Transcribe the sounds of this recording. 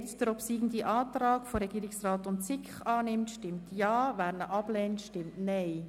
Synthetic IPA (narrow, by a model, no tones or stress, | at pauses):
t͡sd̥əɾɔpsiːɡn̩diʔɑːtrɑːkfoɾɛɡ̥iːɾɪksraːtʊntsɪkχɑːnɪmtʃtɪmtjɑːvæːɾnəʔɑb̥lɛːntʃtɪmtnɛɪ